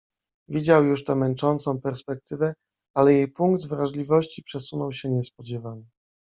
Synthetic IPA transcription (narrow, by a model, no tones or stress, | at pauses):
vʲid͡ʑawjuʂt̪ɛmɛnt͡ʂɔnt̪sɔ̃w̃pɛɾspɛk̚t̪ɘvɛ | alɛjejpuŋɡd̪vɾaʐlʲivɔɕt͡ɕipʂɛsunɔwɕɛɲɛspɔd͡ʑɛvanɘ